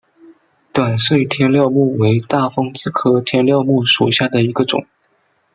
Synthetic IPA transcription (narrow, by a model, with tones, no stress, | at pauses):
t̪wa˨˩nswe˥˩ɪt̪ʰjɛ˥nljɑ˥˧ʊmu˥˩we˧˥ɪt̪a˥˩fɤ˥ŋt͡sɹ̩˥kʰɤ˥t̪ʰjɛ˥nljɑ˥˧ʊmu˥˩ʂu˨˩ɕja˥˩d̪ə˩i˧˥ɡə˧ʈ͡ʂʊ̰˨˩˦ŋ